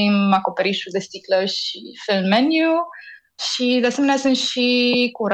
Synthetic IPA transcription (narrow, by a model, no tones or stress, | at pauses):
imako̞peɾiʃud̪est̪ikləʃifilmːenju | ʃid̪easemeneasunt̪ʃikuɾ